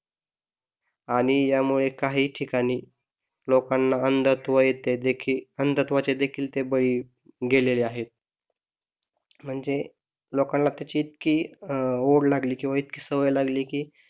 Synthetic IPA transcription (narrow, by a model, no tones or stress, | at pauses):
aɽ̃ijamuɭekaɦiːʈʰikaɽ̃iː | lokanːaənd̪ət̪ʋəjet̪ed̪ekʰiːənd̪ət̪ʋat͡ɕed̪ekʰiːlt̪ebəɭiː | ɡeleleaɦet̪̚ | m̤əɳd͡ze | lokãnlat̪jat͡ɕiːt̪kiː | oɽlaɡliːkĩw̃ʋait̪̚kiːsəʋəjlaɡliːkiː